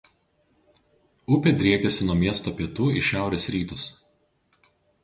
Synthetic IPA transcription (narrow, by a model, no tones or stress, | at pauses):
ʊpʲɛd̪ʲɾʲiɛkʲɛsʲɪnuɔmʲiɛst̪oːpʲiɛt̪uːɪʃʲæˑʊɾʲesɾʲiːt̪ʊs